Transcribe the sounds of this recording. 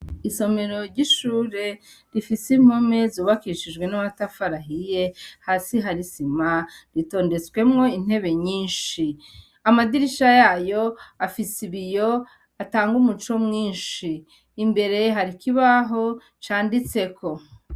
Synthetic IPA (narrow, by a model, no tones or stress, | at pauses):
iso̞me̞ɾo̞ɾɟiʃuːɾe̞ | ɾifisim̥omezoːβakiʃiʒɡwe̞naβatafaɾaɦije̞haːsiɦaɾisimaɾito̞ːnde̞t͡skwe̞mŋo̞in̥e̞βe̞ɲiːnʃi | amadiɾiʃajajo̞afisiβijo̞ | ataːŋɡumut͡ʃo̞mŋiːnʃiː | mbe̞ɾe̞ɦaɾikiβaɦo̞ | t͡ʃaːndit͡se̞kʰo̞